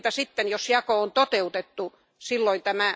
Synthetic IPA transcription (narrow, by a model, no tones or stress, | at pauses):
t̪æsit̪ːenjosjɑkoont̪ot̪eut̪et̪ːu | silːoint̪æmæ